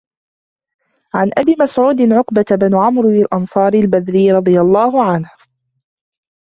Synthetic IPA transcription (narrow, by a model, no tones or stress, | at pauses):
ʕanʔabiːmasʕuːd̪ɪnʕʊqbat̪abɪnʊʕamɾalʔɑnsˤɑːɾilbad̪ɾiːɾˤɑd̪ˤɨjalˤːɑːhʊʕanh